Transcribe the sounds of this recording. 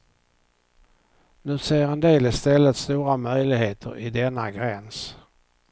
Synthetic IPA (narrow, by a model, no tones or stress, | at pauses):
nʉ̟ːseːɾɛnd̪eːlɪst̪ɛlːət̪st̪uːɾamœjlɪɡheːt̪ʰə̰ɾɪd̪ɛnːaɡɾɛns